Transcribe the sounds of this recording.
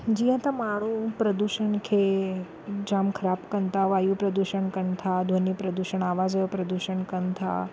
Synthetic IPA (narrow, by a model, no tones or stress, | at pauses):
d͡ʒijãt̪ɐ̃maɽ̃ũpɾəd̪uʃəɳkʰe | d͡ʒaːmkʰəɾapkənt̪aʋaːjũpɾəd̪uʃəɳkənt̪ʰad̪ʱonjipɾəd̪uʃəɳaːʋad͡ʒəjopɾəd̪uʃəɳkənt̪ʰa̰